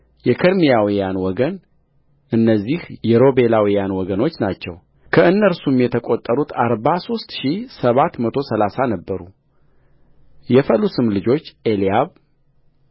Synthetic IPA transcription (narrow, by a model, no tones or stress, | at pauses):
jɛkʰəɾmijawijanwɔɡən | ɨnːəzːihjɛɾo̞belawijanwɔɡəno̞t͡ʃːnat͡ʃːɛw | kʰəɨnːəɾsumjɛt̪ʰəkʼo̞t̪ʼːəɾut̪ʰaɾbaso̞st̪ʃisəβat̪mət̪ʰo̞səlasanəbːəɾu | jɛfəlusɨmlɨd͡ʒo̞t͡ʃːʔelijaβ